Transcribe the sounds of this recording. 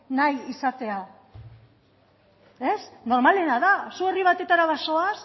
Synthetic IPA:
najisat̪e̞a | e̞sno̞ɾmale̞naðasue̞riβat̪et̪aɾaβaso̞as

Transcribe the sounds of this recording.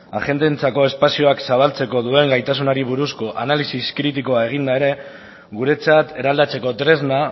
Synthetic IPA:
a̰ʝe̞nt̪ent͡sako̞e̞spasio̞aksaβalt͡se̞ko̞ðue̞ŋɡajt̪as̬unaɾiβ̞uɾusko̞ʔanalisiskɾit̪̬iko̞ae̞ɣ̞ind̪ae̞ɾe̞ | ɣuɾe̞t͡sat̪e̞ɾald̪at͡se̞ko̞t̪ɾe̞zna

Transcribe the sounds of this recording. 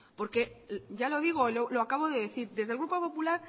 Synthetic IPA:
po̞ɾke̞ɟ͡ʝalo̞ð̞iɣ̞ololoakaβ̞oðe̞ðeθiɾðe̞zðelɣɾupopo̞pulaɾ

